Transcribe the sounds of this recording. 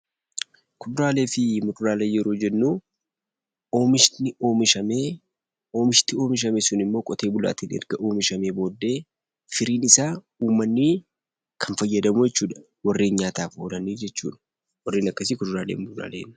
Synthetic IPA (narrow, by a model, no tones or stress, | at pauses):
kʊd̪ʊɾaːle̞ːfɪmʊt̪ʊɾaːleːjɛɾo̞ːd͡ʒɛnːuː | oːmɪʃnɪoːmɪʃɐmeː | o̞ːmɪʃt̪ɪo̞ːmɪʃ̬ɐmesʊnɪmːo̞ːkʼɔt̪eːbʊla̰ːt̪ɪnɛ̰ɾɡɐʔo̞ːmɪʃɐmeːbo̞ːd̪ːe̞ː | fɪɾiːnɪsaː | uːmːɐnːɪ | kʰɐnfɐjːɐd̪ɐmud͡ʒɛt͡ʃːuːᶑɐ̥ | wɐrːeːnɲaːt̪aːfhoːlɐniːd͡ʒɛt͡ʃːṵːᶑɐ̥ | wɐrːiːnɐkːɐsɪkʊd̪ʊɾaːleːmmʊd̪ɾa̰ːleːn